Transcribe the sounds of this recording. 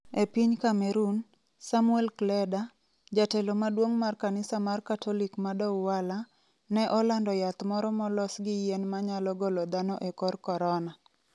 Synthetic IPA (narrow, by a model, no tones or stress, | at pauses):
epiɲkamɛɾun | samuɛlklɛda | d͡ʒatɛlɔmadwoŋmarkanɪsamarkatʰɔlikmadɔwwala | nɛʔɔlandɔjat̪mɔɾɔmɔlɔsɡɪjenmaɲalɔɡɔlɔd̪anɔʔekɔrkɔɾɔna